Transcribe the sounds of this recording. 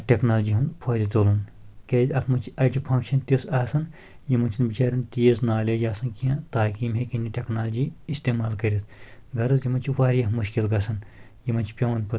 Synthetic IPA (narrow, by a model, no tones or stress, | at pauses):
ʈʲeknaːld͡ʒiɦɐnpʰɐːd̪it̪olunkʲeːzʲɐt̪ʰmɐnt͡ʃʰiɐd͡ʒipʰɐ̃ŋkʃɐnt̪isaːsɐn | jimɐnt͡ʃʰinbit͡ʃaːɾʲɐnt̪iːznaːlʲejaːsɐnkijãt̪aːkiːmɦekenʲiʈʲeknaːld͡ʒiist̪eːmaːlkɐɾʲit̪ʰɡɐɾɨzjimɐnt͡ʃʰiʋaːɾʲjɐmuʃkilɡɐsɐn | jimɐnt͡ʃʰi̥pʲjɐwɐnpɐ